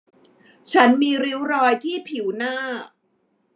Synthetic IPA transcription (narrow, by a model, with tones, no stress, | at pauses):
t͡ɕʰa˦˥nmiː˧ɾi˦˥wɾɔː˧jt̪ʰiː˥˩pʰi˩˦wnaː˥˩